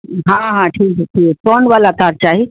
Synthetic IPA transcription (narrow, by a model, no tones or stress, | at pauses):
ɦãɦãʈʰiːkɛʈʰiːkpɔɳʋaːlat̪aɾt͡ʃaːɦi